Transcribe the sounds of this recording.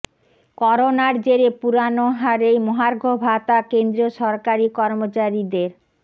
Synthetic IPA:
kɔɾonaɾd͡ʑeɾepuɾanoɦaɾejmɔɦaɾɡʱobʱat̪akend̪ɾioʃɔɾkaɾikɔɾmot͡ɕaɾid̪eɾ

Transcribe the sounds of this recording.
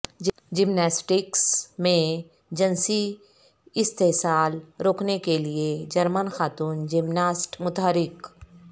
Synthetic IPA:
d͡ʒɪmnaːsʈɪksmẽ | d͡ʒənsi | ɪst̪eɦsaːlɾoːknekelied͡ʒɐɾmənxaːt̪uːnd͡ʒɪmnaːsʈmʊt̪ɦəɾɪk

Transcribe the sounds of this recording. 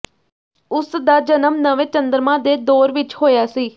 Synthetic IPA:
ʊsd̪aːd͡ʒənəmnəʋẽːt͡ʃənd̪əɾmãːd̪eːd̪oːɾʋɪt͡ʃɦoːjaːsiː

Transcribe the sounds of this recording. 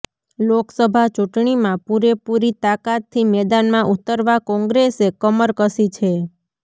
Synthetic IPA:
loksəbʱat͡ʃuʈɳimãpuɾepuɾit̪akat̪ʰːimɛd̪anmãʔut̪əɾʋakɔ̃ŋɡɾesekəməɾkəsit͡ʃʰe

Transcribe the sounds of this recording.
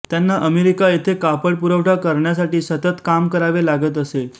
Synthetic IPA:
t̪janːaʔəmeɾikajet̪ʰekapəɽpuɾəʋʈʰakəɾɳjas̬aʈiːsət̪ət̪kamkəɾaʋelaɡət̪̬əse

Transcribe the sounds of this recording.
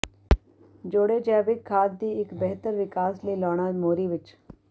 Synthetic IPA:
d͡ʒoːɽed͡ʒɛːʋɪkʰːaːd̪̚d̪iːɪkbɛɦt̪əɾʋɪkaːsliːlɔːɽ̃aːmoːɾiːʋɪt͡ʃ

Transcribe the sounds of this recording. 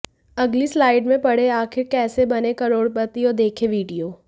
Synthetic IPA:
ɐɡlislaːɪɖmẽpɐɽ̤eaːxɪɾkɛːsebɐnekɐɾoːɽpɐt̪ijod̪eːkʰeʋiːɖijoː

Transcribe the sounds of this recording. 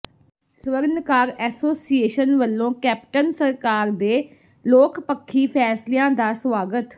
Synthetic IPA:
sʋəɾnkaːɾɛːsoːsieːʃənʋəlːõːkɛːp̚ʈənsəɾkaːɾd̪eː | loːkʰpəkʰːiːpʰɛːslɪjãːd̪aːswaːɡət̪

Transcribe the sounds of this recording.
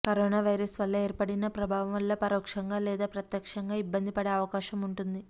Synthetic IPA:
kɐɾoːnaːʋɐjɾɐsʋɐlːɐe̞ːɾpɐɽinɐpɾɐbʱaːʋɐmʋɐlːɐpɐɾoːkʂɐŋɡaːlɛːd̪aːpɾɐt̪jɐkʂɐŋɡaːibːɐnd̪ipɐɽeɐʋɐkaːʃɐmuɳʈund̪i

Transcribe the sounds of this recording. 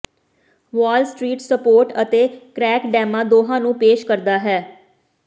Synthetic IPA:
ʋaːlsʈɾiːʈsəpoːɾʈət̪eːkɾɛːkɖɛːmãːd̪oːɦãːnũːpeːʃkəɾd̪aːɦɛː

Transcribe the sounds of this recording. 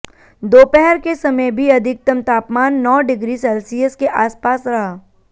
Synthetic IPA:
d̪oːpɛɦɛɾkesɐməjbʱiɐd̪ʱɪk̚t̪əmt̪aːpmaːnːɔːɖɪɡɾiːsɛːlsijəskeʔaːspaːsɾɐɦaː

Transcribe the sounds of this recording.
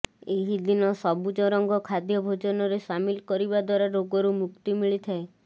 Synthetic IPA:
eɦid̪inɔsɔbud͡ʒɔɾɔŋɡɔkʰad̪jɔbʱod͡ʒɔnɔɾesamilkɔɾibad̪waɾaɾoɡɔɾumukt̪imiɭit̪ʰae

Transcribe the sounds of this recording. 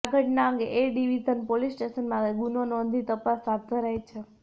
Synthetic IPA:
ɡʱəʈnaə̃ŋɡeʔeɖiʋizənpolisʈesənmãɡunonɔ̃nd̪ʱit̪əpasːat̪̚ʰd̪ʱəɾajt͡ʃʰe

